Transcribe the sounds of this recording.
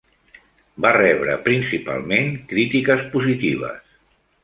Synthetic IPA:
barɛβɾə̰pɾinsipa̰lˠmeŋkɾit̪ikəspuzit̪iβ̞ə̰s

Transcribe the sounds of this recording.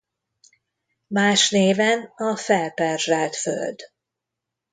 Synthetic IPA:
maːʃneːvɛnɒfɛlpɛrʒalt̪fø̰ld̪

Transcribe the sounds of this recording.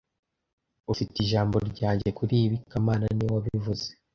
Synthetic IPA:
ufitiʒaːmbo̞ɾɟaːɲɟekuɾiːβikamaːnaniwaβivuze

